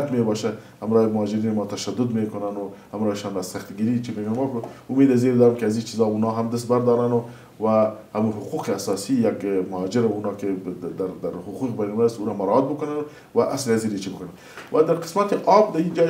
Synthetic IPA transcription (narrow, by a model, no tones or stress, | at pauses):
t̪mebɑʃa | hamɾɑːjemʊhɑd͡ʒɪɾiːnɪmɑːt̪aʃad̪ʊd̪mekʊnanʊhamɾɑeʃɑnazsaxt̪ɡiɾit͡ʃimeɡnmɑkʊmed̪azeɾd̪ɑɾɪmkeazit͡ʃizɑunɑɦamd̪ɪs̬t̪baɾd̪ɑɾanʊ | wahamuɦʊquqeasɑsijakmʊhɑd͡ʒɪɾaunɑked̪aɾd̪aɾhʊquqbanimaast̪uɾamaɾat̪̚bʊkʊnan | waʔasleaziɾet͡ʃibʊkʊnan | wʔad̪aɾqɪ̥smat̪eʔɑbd̪aid͡ʒɑ